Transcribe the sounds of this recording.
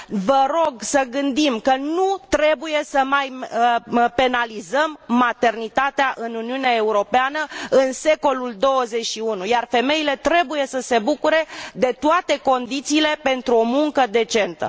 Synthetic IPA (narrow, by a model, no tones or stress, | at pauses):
vəɾo̞ɡsəɡɨnd̪imkənut̪ɾe̞buje̞səmaj | pe̞nalizəmːat̪e̞rnit̪at̪eaʔɨnuniuneae̞uɾo̞peanəɨnse̞ko̞luld̪o̞wəze̞t͡ʃʃiunujarfe̞me̞ile̞t̪ɾe̞buje̞səse̞bukuɾe̞d̪e̞t̪oat̪e̞ko̞nd̪it̪siːle̞pe̞nt̪ɾuo̞muŋkəd̪e̞t͡ʃe̞nt̪ə̰